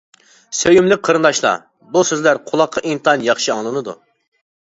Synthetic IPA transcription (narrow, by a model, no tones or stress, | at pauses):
søjymlɪk̚ʲqʰəɾɨnd̪ɑʃlˠɑ̰ | busøzlæɾqʰʊlˠɑqʰːɑʔint̪ʰɑnjɑχʃiɑŋlˠɨnɨd̪ṵ